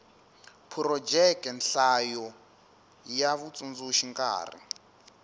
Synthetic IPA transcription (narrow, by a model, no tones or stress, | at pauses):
pʰuɾɔd͡ʒɛkɛnɬajɔ | jaβut͡sʼund͡zuʃiŋka̰ːrḭ